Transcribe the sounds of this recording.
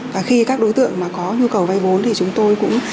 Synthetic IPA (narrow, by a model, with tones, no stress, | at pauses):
vaː˨˩xi˧kaː˦˥k̚ɗo˨˦jt̪ɨ̰˧˨əŋmaː˨˩kɔ˨˦ɲu˧kə˨˩wva˧jvo˨˦nt̪ʰi˨˩t͡ɕʊ˨˦ŋ͡mt̪o˧jkʊ̰˧˥ŋ͡m